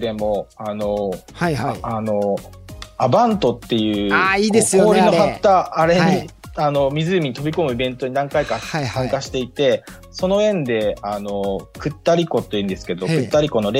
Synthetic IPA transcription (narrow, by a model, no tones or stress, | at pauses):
d̪e̞mo̞ano̞ | ano̞ | abãnt̪o̞t̪ːe̞jɯ̟ːaiːd̪esoːɾʲinohat̪ːaːɾe̞ɲiano̞mʲizɨːmʲiɲ̟it̪o̞bʲiko̞mɯ̟ibẽ̞nt̪o̞ɲ̟id̪ãŋkaikãsãŋkaɕi̥t̪e̞it̪e̞ | so̞no̞ẽ̞nd̪e̞ano̞kɯ̟t̪ːaɾʲiko̞t̪ːojiɯ̟̃nd̪e̞sɨ̥ke̞d̪o̞kɯ̟t̪ːaɾʲiko̞no̞ɾe